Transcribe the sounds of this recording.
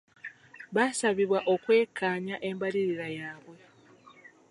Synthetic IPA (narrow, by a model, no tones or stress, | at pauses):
βasaβiβwaʔo̞kwe̞ːkʰːaːɲaʔe̞mbaliɾiɾajaːβwe̞